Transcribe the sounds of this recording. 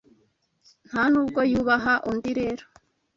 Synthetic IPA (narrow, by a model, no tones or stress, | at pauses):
n̥hanuːbɡo̞juβaɦaʔundiɾeɾo̥